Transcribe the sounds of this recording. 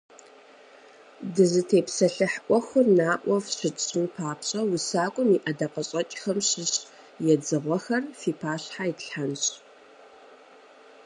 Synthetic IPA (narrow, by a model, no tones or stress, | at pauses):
dɨzɨtʰeːpsɐɬɨħʔʷɔxʊnaːʔʷʼɔfɕɨɕʼɪnpʰaːpɕʼɐwʊsaːkʷʼʊmiʔɐdɐqɐɕʼɐt͡ʃʼxɐmɕɪɕʼ | jɛd͡zɨʁʷɔxɐrfiːpʰaːɕħaitɬħanɕʼ